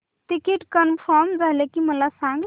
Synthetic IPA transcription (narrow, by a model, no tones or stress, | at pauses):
ʈikiʈkənpʰəɾmd͡ʒaɦlekiməlasãŋɡ